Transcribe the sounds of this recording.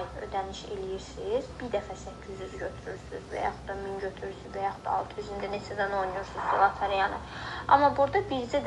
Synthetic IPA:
ø̰d̪æniʃe̞̰lijiɾsiz̥biɾd̪æfæsæcʰːizyzɟø̞t̪ʰyɾyɾsyzvæ̰jɑ̰xud̪d̪ɑmynɟøt̪ʰyɾysyzvæjɑxud̪ɑ̰lˠt̪ʰɯjyzind̪ænet͡ʃʰæd̪æno̞jnujuɾsuzd̪ivɑt̪ʰaɾijɑnɯ̰ɑ̰mːɑbuɾd̪ɑbiɾid͡ʒæd̪

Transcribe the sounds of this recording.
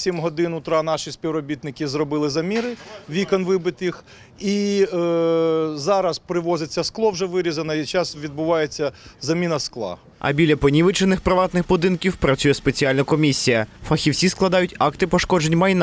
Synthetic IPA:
sʲimɦɔd̪ɪnʊt̪ɾɑnɑʃisʲpʲiwrɔbʲit̪nɪkɪzɾɔbɪlˠɪzɐmʲiɾɪʋʲikɔnʋɪbɪt̪ix | i | zɑɾɐspɾɪʋɔzɪt͡sʲːɐsklˠɔwʒɛʋɪɾʲizɐnɔjit͡ʃɑsʋʲid̪̚bʊʋɑjet͡sʲːɐzɐmʲinɐsklˠɑ̰ | ɐ̰bʲilʲːɐpɔnʲiʋɪt͡ʃenːɪxpɾɪʋɑt̪nɪxbʊd̪ɪnkʲiwpɾɐt͡sʲujɛspe̞t͡sʲiɑlʲnɐkɔmʲisʲːijɐfɐxʲiwsʲisklˠɐd̪ɑjʊtʲɑkt̪ɪpɔʃkɔd͡ʒenʲmɐjn

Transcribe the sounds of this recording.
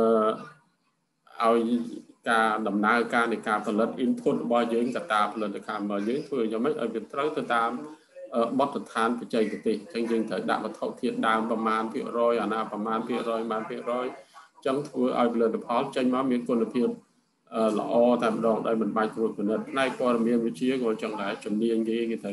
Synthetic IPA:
əː | ʔaɔjkaːɗɑmnaəkaːnɨjkaːpʰɑlɨt̪̚ʔinpʰut̪̚rɔɓɑhjəːŋkat̪aːpʰɑlɨt̪̚ːekʰamrɔɓɑhjəːŋt̪ʰʋəːjaːŋməc̚ʔa̰ɔjʋiət̪rəwt̪ɨwt̪aːm | ʔəːɓɑət̪̚ːt̪ʰaːnpɑt͡ɕɛːk̚pət̪eːht͡ɕəŋjəːŋt̪ʰəwɗa̰ʔʋit̪ʰoʔ̚t̪ʰiət̪̚ɗaəmpɑmaːnpʰiəʔrɔːjʔanaːpɑmaːnpʰiəʔrɔːjmaːnpʰiəʔrɔːjt͡ɕəŋt̪ʰʋəːʔa̰ɔjpʰɑlɨt̪ːepʰɑlt͡ɕəɲmaɔmiənkuənapʰiəp̚ | ʔəːlə̰̆ʔɑːt̪aɛmə̆ɗɑːŋɗaɔjmɨnɓaːc̚t̪ʰʋəːpʰinɨt̪̚pʰnaɛk̚poəɗɑmiənʋɨt͡ɕiəkɑːt͡ɕəŋɗaɛt͡ɕumniəɲkeːkit̪ʰə

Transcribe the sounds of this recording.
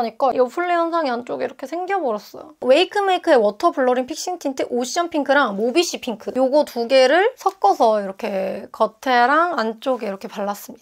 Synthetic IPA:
ɲik͈aiopʰuɭːiʌnsʰaŋiant͡ɕ͈oɡeiɾʌkʰe̞sʰe̞ŋɡjʌbʌɾʌs͈ʌ̰jowe̞ikʰɯmeikʰɯe̞wʌtʰʌpuɭːʌɾinpʰik̚ɕ͈iŋtʰintʰeʔoɕʰid͡ʑʌnpʰiŋkʰɯɾaŋmobiɕ͈ʰipʰiŋkʰɯjoɡʌtuɡe̞ɾɯɭsʰʌk͈ʌsʰʌiɾʌkʰe̞kʌtʰe̞ɾaŋant͡ɕ͈oɡeiɾʌkʰe̞paɭːas͈ɯmɲid̥a

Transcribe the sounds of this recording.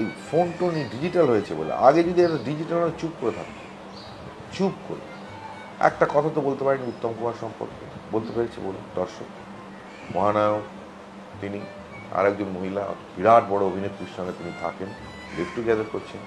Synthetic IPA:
ejfonʈoniɖid͡ʑiʈalɦojet͡ɕʰebo̰lḛʔa̰ɡed͡ʑod̪ieʈaɖid͡ʑiʈalat͡ɕub̚koɾet̪ʰak̚be | t͡ɕupkoɾḛ | ɛ̰k̚ʈakɔt̪ʰat̪obolt̪epaɾeniut̪ːomkumaɾʃɔmpo̰ɾkḛbolt̪epeɾet͡ɕʰḛbolḛd̪ɔɾʃok | mɔɦanajok | t̪ini | a̰ɾɛk̚d͡ʑonmoɦila̰biɾaʈbɔɽoobʱinet̪ːɾiɾʃɔŋɡet̪init̪ʰaken | lebʈuɡɛd̪aɾkoɾt͡ɕʰen

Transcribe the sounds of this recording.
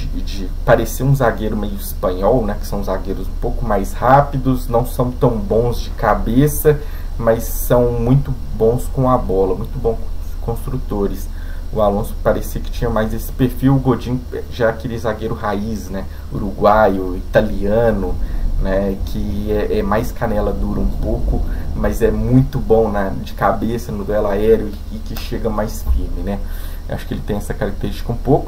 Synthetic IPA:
ɪd͡ʒɪ | paɾeseũzaɡeɾʊmejʊispɐ̃ɲɔwnɛkɪ̥sɐ̃w̃zaɡeɾʊzũpowkʊmajshapid̪ʊsnɐ̃w̃sɐ̃w̃t̪ɐ̃w̃bõzd͡ʒɪkabesɐ | mɐsːɐ̃w̃mũj̃t̪ʊ | bõw̃skõɐbɔlɐmũj̃t̪ʊbõw̃kõkõst̪ɾut̪oɾɪs | ʊalõsʊ̥paɾesiɐkɪ̥t͡ʃĩɲɐ̃majzesɪ̥peɾfiwʊɡod͡ʒĩɲʊɛʒaakelizaɡeɾʊhaiznɛ | ʊ̰ɾuɡwajʊit̪aliɐ̃nʊnɛkʰɪɛʔɛmajskanɛlɐd̪uɾɐũpowkʊmɐzɛmũj̃t̪ʊbõw̃nɐd͡ʒɪkabesɐnʊd̪oɛlaɛɾjʊɪ | ɪkɪʃeɡɐmajsfimɪnɛ | a̰ʃʊ̥kɪelɪt̪ẽj̃ɛsɐkaɾɐk̚t̪eɾisʃt͡ʃi̥kɐũpowkʊ̥

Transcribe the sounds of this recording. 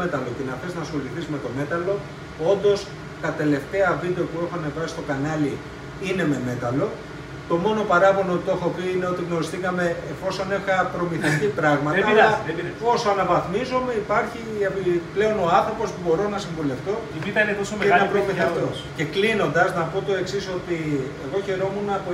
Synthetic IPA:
et̪ɐlo̞cenɐθeznɐsxo̞liθizme̞t̪o̞me̞t̪ɐlo̞ | o̞nd̪o̞s | t̪ɐt̪e̞le̞ft̪e̞ɐvid̪e̞o̞pue̞xɐnevɾɐsi̥st̪okɐnɐli | ine̞me̞me̞t̪ɐlo̞ | t̪o̞mo̞no̞pɐɾɐvonout̪o̞xopiine̞o̞t̪iɣno̞ɾist̪ikɐme̞ːfo̞so̞nixɐpɾo̞miθit̪ipɾɐɣmɐt̪ɐpo̞soɐnɐvɐθmizome̞ipɐɾçiepiple̞o̞no̞ɐnθɾo̞po̞spubo̞ɾo̞nɐsiɱvule̞ft̪o̞iitɐinet̪osomeenepɾomiθeft̪o | ce̞klino̞nd̪ɐznɐpot̪o̞e̞ksiso̞t̪ie̞ɣo̞çeɾo̞munɐpo

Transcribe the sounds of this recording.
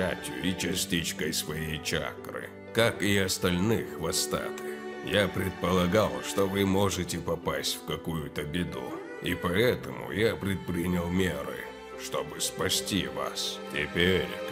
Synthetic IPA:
atʲjʊit͡ɕɪsʲtʲit͡ɕkəjsvɐjejt͡ɕa̰krɨ̰ | kakiɐst̪ɐlʲnɨxvɐst̪a̰t̪əjapɾʲɪt̪̚pəlˠɐɡalˠʂt̪ovɨmoʐɨtʲɪpɐpasʲtʲfkɐkujʊt̪əbʲɪd̪ṵ | ipɐɛt̪əmʊ̰japɾʲɪt̪̚pɾʲinʲɪlˠmʲeɾɨ̰ | ʂt̪obɨspɐsʲtʲiva̰stʲɪpʲeɾʲ

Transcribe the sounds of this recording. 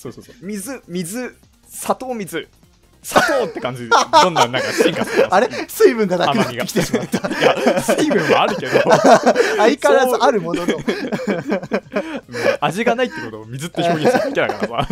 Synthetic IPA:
soːsoːmʲizɨmʲizɨ | sat̪o̞ːmʲizɨ | sat̪oːt̪ːekãɲd͡ʑiõñːnãŋkasĩŋkaaɾesɨibɯ̟̃ŋɡad̪akeeekʲi̥t̪eɕiat̪ːajasibɯ̟̃aaɾɯ̟kke̞d̪ | aikaɾazɨaɾɯ̟mo̞no̞no | aʑiɡanait̪ːekot̪omʲizɨt̪ːeçooɲʲikʲea̰kaɾaa̰

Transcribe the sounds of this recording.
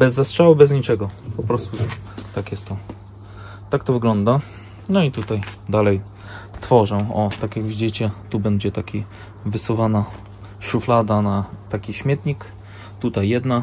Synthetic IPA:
b̥ɛzːastʂawubɛzɲit͡ʂɛɡɔpɔpɾɔst̪ut̪akjɛst̪ːɔ | t̪akt̪ɔvɘɡlɔnd̪a | nɔit̪ut̪ajd̪alɛj | t̪fɔʐɛɔt̪akjaɡvʲid͡ʑelʲit͡ɕɛt̪ubɛɲd͡ʑɛt̪akʲi | vɘsuvana | ʂuflad̪anat̪akʲiɕmʲjɛt̪ɲik | t̪ut̪ajːjɛd̪na

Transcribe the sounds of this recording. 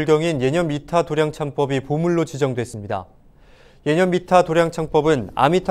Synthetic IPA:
ɡjʌŋinje̞ɲʌmitʰatoɾjaŋt͡ɕʰaŋp͈ʌbipomuɭːot͡ɕid͡ʑʌŋdwe̞s͈ɯmɲida̰ | je̞ɲʌnmːitʰatoɾjaŋt͡ɕʰaŋp͈ʌbɯna̰mitʰ

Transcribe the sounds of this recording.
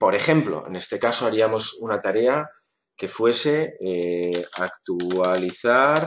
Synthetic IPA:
po̞ɾe̞χe̞mplo̞̰e̞̰ne̞st̪e̞kaso̞aɾiamo̞sunat̪aɾe̞a | ke̞fwe̞se̞ | akt̪ualiθaɾ

